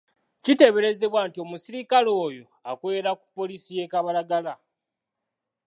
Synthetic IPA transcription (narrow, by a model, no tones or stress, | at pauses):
cite̞βe̞ɾe̞ze̞βwaːntio̞musiɾikalo̞ːjo̞ | akwe̞ːɾaku̥pːo̞lisije̞kaβalaɡala